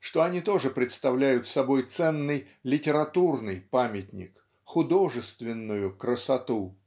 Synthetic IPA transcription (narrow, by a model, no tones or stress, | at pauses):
ʂt̪oɐnʲit̪o̞ʐɨpɾʲɪt̪st̪ɐvlʲæjʊt̪sɐbo̞jt̪sɛnːɨj | lʲɪtʲɪɾɐt̪urnɨjpamʲɪtʲnʲɪ̰k | xʊd̪o̞ʐɨst̪vʲɪnːʊjʊkɾəsɐt̪u